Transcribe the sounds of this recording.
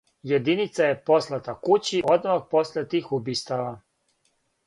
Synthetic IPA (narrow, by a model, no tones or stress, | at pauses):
jed̪init̪saje̞poslˠat̪akut͡ɕiʔod̪mak̚po̞slʲet̪iːxubiːst̪aʋa